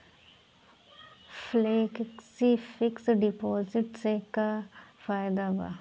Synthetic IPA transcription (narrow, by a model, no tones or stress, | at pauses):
fleːkksifɪksɖɪpoːzɪʈsekafaːjd̪aba̰